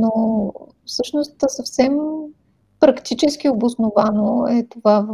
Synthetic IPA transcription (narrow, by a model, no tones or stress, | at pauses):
no | fsɤʃnost̪sɐfsɛm | pɾɐkt̪it͡ʃɛsk̟ʲiobʊsnovanoɛt̪ovav